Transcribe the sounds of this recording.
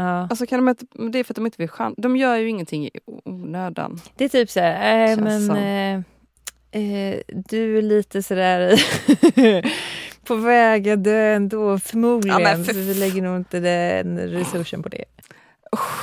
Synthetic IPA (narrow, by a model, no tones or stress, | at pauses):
ɑːalsɔkʰand̪ɔmɪnt̪əd̪ɛɾfɾat̪̚d̪ɔmɪnt̪əvɪlɧa̰nd̪ɔmjœːɾjɵɪŋːənt̪ʰɪŋːuːnøːd̪a̰nd̪̥ɛɛːɾt̪ʰyːpsæːɾɛmɛn | d̪ɵæɭiːt̪əsɔd̪æːɾ | pʰɔvɛːɡad̪øːɛnd̪oːfœɾmuːd̪lɪɡənfɔvɪlɛɡːəɳuːɪnt̪əd̪ɛɛ̰nɾɛsɵʂːə̰mpʰɔd̪ɛ̰